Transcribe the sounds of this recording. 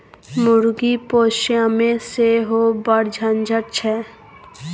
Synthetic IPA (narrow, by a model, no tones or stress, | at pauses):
mʊɾɡipoʃjamẽseɦobəɽd͡ʒʱənd͡ʒʱəɾt͡ʃʰɛ